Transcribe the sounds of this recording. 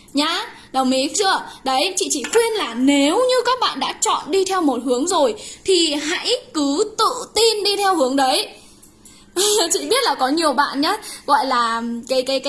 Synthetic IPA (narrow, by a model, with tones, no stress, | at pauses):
ɲaː˧ | ɗə˨˩wmi˨˦k̚t͡ɕɨ˧˩ə˩ɗə˨˦jt͡ɕḭ˧˨t͡ɕḭ˧˨xwi˧ənlaː˨˩ne˨˦wɲɨ˧kaː˦˥k̚ɓa̰ː˧˨nɗa̰ː˧˥t͡ɕɔ̰˧˨nɗi˧t̪ʰɛ˧wmo˨˩t̚ɦɨ˨˦əŋzo˨˩jt̪ʰi˨˩ɦa̰˧˥jkɨ˨˦t̪ɨ̰˧˨t̪i˧nɗi˧t̪ʰɛ˧whɨ˨˦əŋɗə˨˦j | t͡ɕḭ˧˨ɓi˦˥ət̚laː˨˩kɔ˨˦ɲi˨˩əwɓa̰ː˧˨nɲaː˨˦˥ɣɔ̰˧˨jlaː˨˩kaː˨˦jkaː˨˦jkː